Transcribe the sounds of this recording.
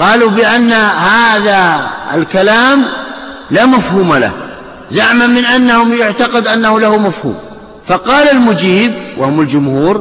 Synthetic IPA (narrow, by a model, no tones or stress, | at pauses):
qɑːlubɪʔanːahaːðaɪ̰lkalaːm | laːmafhuːmala̰h | zaʕmanmɪnʔanːahʊmjʊʕt̪aqɪd̪ʔanːahʊlahʊmafhṵːm | fɑqɑːlalmʊd͡ʒiːb̚wʔa̰hʊmald͡ʒʊmhuːɾ